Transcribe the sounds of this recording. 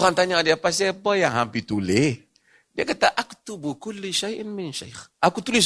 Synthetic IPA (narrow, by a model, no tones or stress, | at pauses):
ant̪aɲaŋadiapas̬ebajaɦampit̪ule | dekat̪aʔaku̥t̪ubukulːiʃajinminʃa̰jχakut̪uliʃ